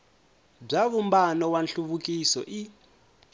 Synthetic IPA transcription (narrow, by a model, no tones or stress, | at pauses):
b͡ʐaβumbanɔwanɬuβukʼisɔ̰ʔi